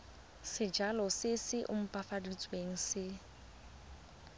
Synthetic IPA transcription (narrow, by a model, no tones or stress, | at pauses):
sɪd͡ʒalɔsɪsɪʔʊ̰m̩pʼafadit͡sʼweŋ̩sɪ